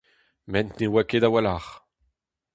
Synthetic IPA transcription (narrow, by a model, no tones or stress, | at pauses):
mɛ̃nt̪niwaked̪awalaχ